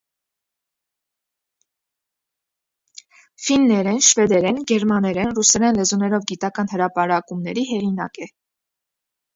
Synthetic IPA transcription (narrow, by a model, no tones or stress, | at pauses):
finːɛɾɛnʃvɛd̪ɛɾɛnɡɛɾmɑnɛɾɛnrusɛɾɛnlɛzunɛɾɔvɡit̪ɑkɑn̪həɾɑpɑɾɑkumnɛɾiɦɛʁinɑ̰kɛ